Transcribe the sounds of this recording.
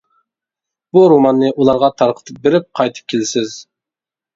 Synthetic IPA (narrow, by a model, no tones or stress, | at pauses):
b̥uɾomɑnːɨʔulˠɑɾʁɑt̪ʰɑɾqʰə̥t̪ʰɨp̚beɾɪp̚qʰɑjt̪ʰɨ̥p̚kʲʰelɪsɪz̥